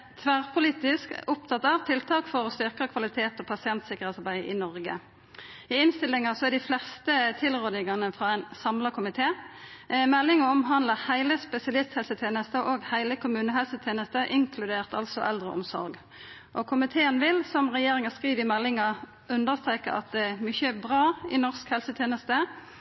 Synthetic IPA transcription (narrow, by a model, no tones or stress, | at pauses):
t̪ʰʋæʁpʰʊliːt̪ɪskʊp̚t̪ʰɑt̪ɑːʋt̪ʰɪlt̪ʰɑːkfɔʁɔst̪ʏʁkəkʰʋɑlɪt̪ʰeːt̪ɔːpʰɑsɪɛnt̪sɪkəʁeːt̪sɑʁbæɪʔɪ̰nɔʁɡə̰ | ɪɪnst̪ɪlːɪŋəsɔæɖ̪ɪflɛst̪ət̪ʰɪlʁøːd̪ɪŋɑnəfʁɑːæɪnsɑmlɑkʰʊmɪt̪ʰeː | mɛlːɪŋəɔmɦɑnd̪ləhæɪləspɛsɪɑlɪst̪hɛlsət̪ʰeːnəst̪əʔoːɡhæɪləkʰʊmʉːnəɦɛlsət̪ʰjeːnəst̪əʔɪŋkʰlʉd̪eːʁt̪ɑ̰lsɔ̰ʔɛ̰ld̪ʁə̰ɔ̰msɔ̰ʁɡ | ʔɔkʰʊmɪt̪ʰeːənʋɪlsɔmʁɛjeːʁɪŋəskʁiːʋɪmɛlːɪŋɑ | ʉnd̪əʁst̪ʁeːkəɑ̰t̪̚d̪ɛæʁmʏçəbʁɑːɪnɔʁskhɛlsət̪ʰjeːnəst̪ə